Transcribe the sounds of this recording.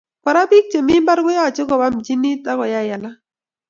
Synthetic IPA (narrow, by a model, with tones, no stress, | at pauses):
pa˨ɾa˦bi˦k̚t͡ʃe˨mi˦mba˦ɾɡʊ˦ja˦˨t͡ʃɪ˦kɔ˨ba˦md͡ʒi˦ni˦ta˦kɔ˨ja˦˨ja˨la˦